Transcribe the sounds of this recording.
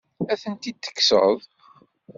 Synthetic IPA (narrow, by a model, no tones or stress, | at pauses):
æθənt̪id̪ːə̥kːsə̰ðˤ